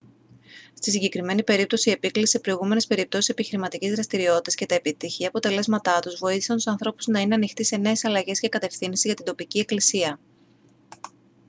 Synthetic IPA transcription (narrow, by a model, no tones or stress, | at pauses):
st̪isiɲɟe̞kɾime̞nipe̞ɾip̚t̪o̞sie̞pikliisepɾo̞iɣume̞ne̞spe̞ɾip̚t̪o̞sise̞piçiɾimɐt̪icizðɾɐst̪iɾio̞t̪it̪ɐsce̞t̪ɐe̞pit̪içiɐpo̞t̪e̞le̞zmɐt̪ɐt̪uzvo̞iθi̥sɐnt̪usɐnθɾo̞puznɐine̞ɐnixt̪ise̞ne̞esɐlɐʝe̞sce̞kɐt̪e̞fθinsizʝɐt̪ind̪o̞picie̞klisiɐ